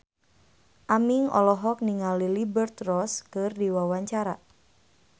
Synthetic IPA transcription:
ʔamiŋɔ̰lɔɦɔk̚niŋalilibərt̪rɔskɨrdiwawaɲt͡ʃaɾa

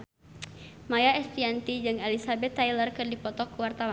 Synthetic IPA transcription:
majaɛst̪iant̪id͡ʒɨŋɛlisabɛt̪ːajlərkɨrdipɔt̪ɔkuwart̪awa

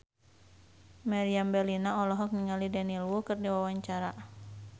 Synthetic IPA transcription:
maɾiambɛlinaɔlɔɦɔk̚niŋalidanilwukɨrdiwawaɲt͡ʃaɾa

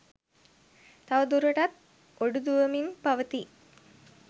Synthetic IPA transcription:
t̪aʋəd̪uɾəʈɐt̪̚ | oɖud̪uʋəminpaʋət̪i

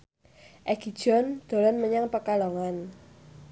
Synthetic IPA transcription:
ʔɛɡ̥i̤d̥ʒ̥ɔ̤nd̪̥o̤lɔnməɲaŋpəkalɔŋan

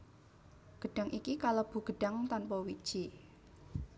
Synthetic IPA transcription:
ɡ̥ə̤ɖ̥a̤ŋʔikikalob̥ṳɡ̥əɖ̥a̤ŋt̪anpɔwid̥ʒ̥i

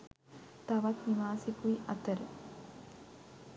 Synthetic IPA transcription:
t̪aʋat̪niʋaːsikuiʔɐt̪əɾə

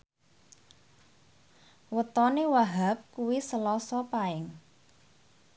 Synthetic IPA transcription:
wət̪ɔnewaɦap̚kuwisəlɔsɔpaɪŋ

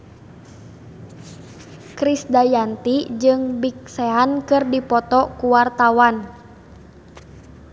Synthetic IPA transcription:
kɾisdajant̪id͡ʒɨŋbik̚sɛankɨrdipɔt̪ɔkuwart̪awan

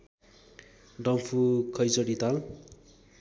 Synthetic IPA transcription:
ɖʌmpʰukʰʌjt͡sʌɽit̪al

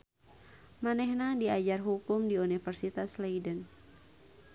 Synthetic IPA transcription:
manɛhnadiad͡ʒarɦukʊmdiunifɛrsit̪aslajdən

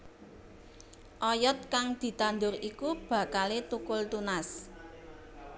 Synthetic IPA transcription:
ʔɔjɔt̪̚kaŋd̪̥i̤t̪and̪ʊrikub̥ä̤kalet̪ukʊlt̪unas

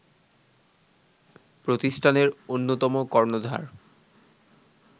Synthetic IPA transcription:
pɾot̪isʈʰaneɾonːot̪ɔmokɔɾnod̪ʱa̰ɾ

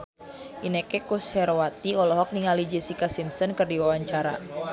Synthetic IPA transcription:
ʔinekekushɛɾwat̪iɔlɔɦɔk̚niŋalid͡ʒesikasimsɔnkərdiwawaɲt͡ʃaɾa̰

